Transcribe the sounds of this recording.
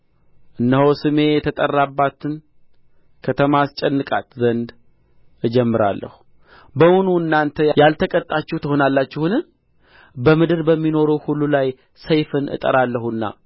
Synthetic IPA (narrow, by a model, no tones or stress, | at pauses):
ʔɨnːəhosɨme̞jɛt̪ʰət̪ʼərːabːat̪ʰɨn | kʰət̪ʰəmast͡ʃʼɛnːɨkʼa̰t̪zənd̪ | ɨd͡ʒɛmːɨɾa̰lːə̰hu̥ | bəmonuɨnːant̪ʰəjalt̪ʰəkʼət̪ʼːat͡ʃːuht̪ʰəho̞nalːat͡ʃːɪhɨnɨ | bəmɨd̪ɨɾbəmːino̞ɾuhulːulaj | səjfɨnʔɨ̰t̪ʼə̰ɾalːəhunːa̰